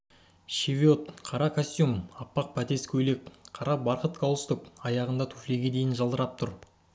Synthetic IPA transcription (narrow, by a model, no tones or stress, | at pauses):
ʃevʲiot̪qʰɑɾɑkʰosʲt̪ʲjumɑpːɑq̚pʰæt̪e̞skʲʰɵle̞k̚qʰɑɾɑbɑɾqət̪kʰɑw̪ˠəst̪əkɑjɑʁənd̪ɑt̪ʰufleɡʲe̞d̪e̞jɪnʒɑlˠd̪əɾɑp̚t̪ʰʊɾ